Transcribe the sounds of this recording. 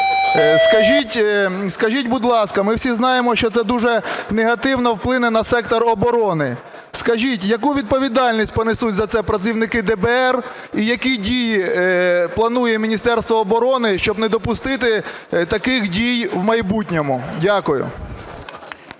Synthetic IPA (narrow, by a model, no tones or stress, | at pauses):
skɐʒʲitʲskɐʒitʲbʊd̪lˠɑskɐmɪwsʲiznɑjemɔʃt͡ʃɔt̪sɛd̪uʒɛneɦɐt̪ɪwnɔwplˠɪnɛnɐsɛkt̪ɔɾɔbɔɾɔnɪ | skɐʒʲitʲjɐkuʋʲid̪̚pɔʋʲid̪ɑlʲnʲisʲt̚ʲpɔnɪsutʲzɐt̪sɛpɾɐt͡sʲiwnɪkɪd̪ɛbɛɛr | ijɐkidʲiji | plˠɐnujɛmʲinʲist̪ɛrst̪ʋɔːbɔɾɔnɪʃt͡ʃɔbnɛd̪ɔpʊst̪ɪt̪ɪ | t̪ɐkɪxdʲijwmɐjbutʲnʲɔmʊdʲakʊjʊ̰